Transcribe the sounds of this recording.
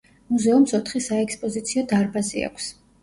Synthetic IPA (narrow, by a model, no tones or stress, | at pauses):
muzɛumsɔt̪ʰχisaɛkspʼɔzit̪sʰiɔd̪aɾbazḭa̰kʷʰs